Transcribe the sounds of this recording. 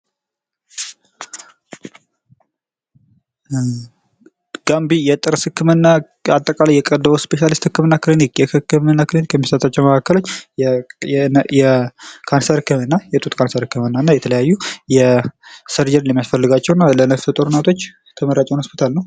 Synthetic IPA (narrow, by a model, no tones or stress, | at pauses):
ɡ̥ambijɛt̪ʼɨɾsɨkːɨmɨnːa | at̪ʼːəkʼalajːɛkʼəd̪ːəβəspeʃalist̪hɨkːɨmɨnːakɨlinikjɛhɨkːɨmɨnːakɨlinikjɛmːisət̪ʼat͡ʃːɛwməkʰakːəlo̞t͡ʃː | jɛkʰansəɾkːɨmɨnːajɛt̪ʼut̪kʰansəɾhɨkːɨmɨnːanːajɛt̪ʰələjajːujɛsəɾd͡ʒəɾnjɛmijasfəlːɨɡat͡ʃːɛwnːalənəft̪ʰət̪ʼoɾɨnat̪ʰo̞t͡ʃː | t̪ʰəməɾat͡ʃʼɛwnhospit̪ʰalnəw